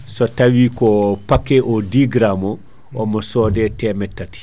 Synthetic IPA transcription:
sotawikopakːeʔodiɡɾamo | omosoːdetemɛtːati̥

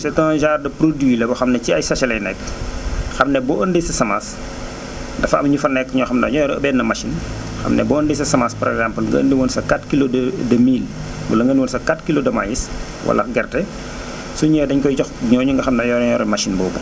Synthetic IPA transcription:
sɛtɔnʒaːrdɐpɾodwilɐbɐxɐmnɐciɐjsɐʃɐlɛjnɛk | xɐmnɛbɔʔəndesɐsɐmas | dɐfɐ̰mɐɲufɐnɛkːɲɔxɐmnɐɲɔɾɐbɛːnɐmaʃin | xɐ̰mnɛ̰bɔːəndɛjsɐsɐmaspɔɾɛɡzampəlŋɡɐ̰ə̰ndiwɔːnsɐkatkiloddɐmiːlbɐ̰lɐŋɡəndiwɔːnsɐkatkilodɐma̰jis | wɐ̰lɐ̰ɡɛrtɛ | suɲɛːdɐɲkɔjt͡ʃɔxɲɔːɲuŋɡɐxɐmnɐjɔɾɲɔɾɔmaʃinbɔːbu

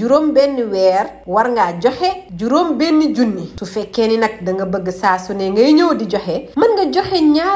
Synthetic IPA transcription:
d͡ʒuɾombɛnːiwɛːɾwaɾŋɡad͡ʒɔhɛd͡ʒuɾombɛnːid͡ʒunːisufɛkːɛninɐk̚dɐŋɡɐbəɡːəsaːsunɛŋɡɐjɲowdid͡ʒɔhɛmɐnŋɡɐd͡ʒɔhɛɲaː

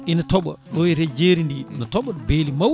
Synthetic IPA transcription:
ʔinatɔɓɔ̰ɗɔɛtɛd͡ʒeːɾindinatɔɓɔbeːlimaw

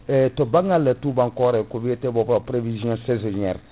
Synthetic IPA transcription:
ɛtɔbãŋãlɛtubãŋkɔɾɛkobɛetɛbɔpɔpɾevizjɔ̃sɛzeʒɛɾ

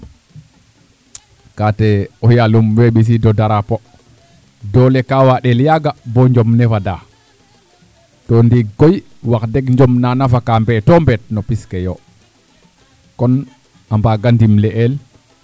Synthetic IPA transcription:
katɛɔjalumweɓis̬idɔdaɾapɔ | dɔlɛkawaɗɛljaɡabɔɲd͡ʒɔmnɛfada | tɔndiɡɔj | wakdɛɡɲd͡ʒɔmnanafakambɛtɔmbɛt̚nɔpiskɛjɔ | kɔn | ambaɡandimlɛʔɛl

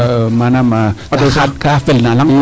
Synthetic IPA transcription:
ʔmanamaat̪esat̪̚kʰafelnalaŋ

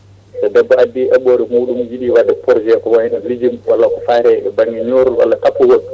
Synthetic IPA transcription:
sɛdɛbːɔadːiʔaɓoːɾɛmuɗumjiɗiwadɛpɔɾd͡ʒɛkɔwahinalid͡ʒimwalːakɔfaːɾɛɛbaŋɡɛɲoːɾuwa̰lːatapːuwol

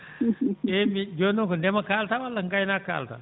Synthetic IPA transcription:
emid͡ʒonokʰunemakaːlt̪ʰaʋalːəŋkainaːkʰːa̰ːlt̪ʰa̰

